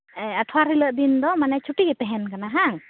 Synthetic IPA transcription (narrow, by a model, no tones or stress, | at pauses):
əʈʰwaɾɦiləʔd̪ind̪ɔmanɛt͡ʃʰuʈiɡɛp̪ɛɦɛnkanaɦaŋ